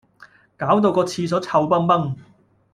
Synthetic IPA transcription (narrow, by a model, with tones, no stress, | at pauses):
kaː˨˥wt̪̬o˧wkɔː˧t͡sʰiː˧s̬ɔː˨˥t͡sʰɐ˧wpɐ˥ŋpɐ˥ŋ